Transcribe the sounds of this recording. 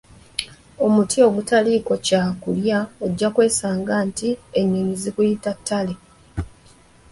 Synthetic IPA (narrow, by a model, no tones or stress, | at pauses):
o̞mutʰio̞ɡutaliːko̞caːkuljaeɟːakwe̞ːsaːŋɡaːntie̞ɲːiɲizikujitatʰːale